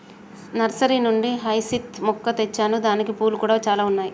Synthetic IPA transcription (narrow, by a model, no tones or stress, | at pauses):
nɐɾsɐɾinuɳɖiɦɐjsit̪mɔkːɐt̪et͡ʃːaːnud̪aːnikipuːlukuːɽaːt͡ʃaːlaːunːaːji